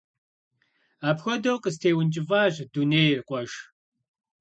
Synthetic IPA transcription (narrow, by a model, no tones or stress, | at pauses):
aːpxʷɔdoːqəstʰeːwʊnt͡ʃʼɪvaːʑduneːjrqʷʼɔʒ